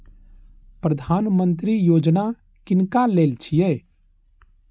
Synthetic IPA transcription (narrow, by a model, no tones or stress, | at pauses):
pɾəd̪ʱaːnmə̃nt̪ɾijoːd͡ʒna | kɪnkaleːlt͡ʃʰijɛ